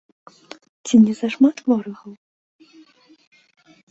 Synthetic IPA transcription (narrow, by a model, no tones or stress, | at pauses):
t͡sʲinʲɛzɐʂmat̪vɔɾɨxɐw